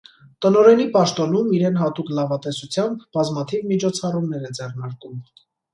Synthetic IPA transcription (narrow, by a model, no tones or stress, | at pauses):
t̪ənɔɾɛnipɑʃt̪ɔnumiɾɛnɦɑt̪uklɑvɑt̪ɛsut͡sʰjɑmbbɑzmɑt̪ʰivmit͡ʃʰɔt͡sʰɑrumnɛɾɛd͡zɛrnɑɾkum